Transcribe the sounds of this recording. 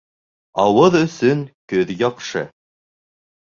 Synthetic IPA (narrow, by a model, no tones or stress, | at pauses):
ɑwɤðɵ̆sɵŋkɵðjɑqʃɤ̰